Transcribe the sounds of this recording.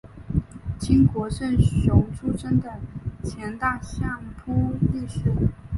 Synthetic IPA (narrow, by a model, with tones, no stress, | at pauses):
t͡ɕi˥ŋkwɔ˧˥ʂə˥˩nɕjo˧˥ŋʈ͡ʂʰu˥ʈ͡ʂə˥nd̪ə˨t͡ɕʰjɛ˧˥nt̪a˥˧ɕjɑ˥˩ŋpʰu˥li˥˩ʂɻ̩˨˩˦